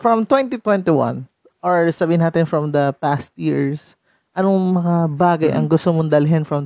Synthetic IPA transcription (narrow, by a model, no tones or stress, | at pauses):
fɹɐmt̪wɛ̃nt̪it̪wɛnt̪ɪwɐ̰̃n | ʔɔɹsɐbiːhɪnaːt̪ɪnfɹɔmd̪ɐpast̪̚jiɹs | ʔɐnoŋmɐŋabaːɡɐjʔɐ̰ŋɡʊst̪omond̪ɐlɪɦɛnfɹɐm